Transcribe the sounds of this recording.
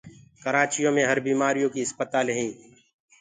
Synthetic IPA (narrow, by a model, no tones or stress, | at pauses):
kəɾaːt͡ʃijõmẽɦəɾbiːmaːɾijõkiɪspət̪aːlɦĩː